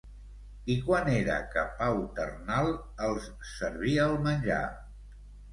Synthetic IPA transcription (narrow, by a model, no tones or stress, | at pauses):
ikwaneɾə̰kəpawt̪ə̰rnalˠ | əlˠs | səɾβiəːlˠmənʲʒa̰